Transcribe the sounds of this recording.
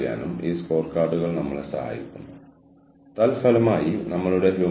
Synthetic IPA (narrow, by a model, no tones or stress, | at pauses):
ja̰ːnumiːsko̞ːrkaːrɖuɣɐɭnɐmːɐɭsɐ̰ha̰ːjḭkʲːunːu | t̪ɐlfɐlɐmaːjinɐmːɐɭuɽe̞ɦu